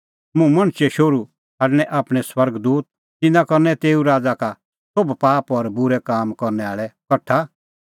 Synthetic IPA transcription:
mũmɐ̃ɽ̃t͡ʃɛʃoɾu | ɦaːɖɽ̃ɛʔaːpɽ̃ɛswɐɾɡd̪uːt̪̚ | t̪ɪnãkɔɾnɛt̪eːuɾaːd͡zaka | sobpaːpɔɾbʊɾɛkaːmkɔɾnɛaːɭɛkɐʈʰːa

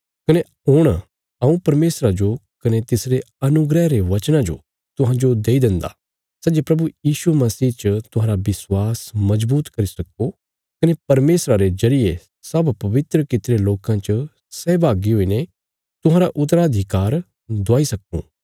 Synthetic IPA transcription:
kɐne | ɦʊɽ̃ | ɐũpɐɾmeːsɾad͡ʒokɐnet̪ɪsɾe | ɐnʊɡɾɛɾeʋɐt͡ʃnãd͡ʒo̰ | t̪ʊɦãd͡ʒod̪eːid̪ɪ̃nd̪a̰ | sɛd͡ʒepɾɐbujiːsumɐsiːt͡ʃət̪ʊɦãːɾabɪswaːsmɐd͡ʒbuːt̪kɐɾisɐko | kɐnepɐɾmeːsɾaɾezɐɾije | sɐbpɐʋɪt̪ɾəkɪt̪ɾeloːkãt͡ʃə | sɛːbaːɡiɦoːine | t̪ʊɦãːɾaʔʊt̪ɾaɐd̪ʱɪkaːɾ | d̪ɔaːisɐkṵ̃ː

